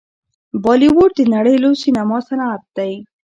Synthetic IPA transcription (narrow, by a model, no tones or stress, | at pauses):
bɔliwoʈ̚d̪inaɽəjlosinamɔsanaːt̪̚d̪aj